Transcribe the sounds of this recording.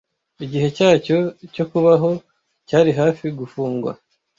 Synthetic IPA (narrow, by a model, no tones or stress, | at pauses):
iɟiɦe̞caːco̞co̞kuβaɦo̞ | caːɾiɦaːfiɡufuːŋɡwa̰